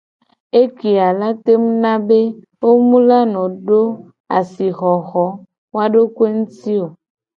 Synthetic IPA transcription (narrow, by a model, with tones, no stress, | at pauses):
e˦ki˨a˨la˦t̪e˦m˦nã˦be˦ | wo˦mũ˦la˦nɔ̃˨ɖo˦ | a̰˨si˨xɔ˨ɣɔ˨˦ | wa˦ɖo˦kwe˦ŋũ˦t̪i˦o˨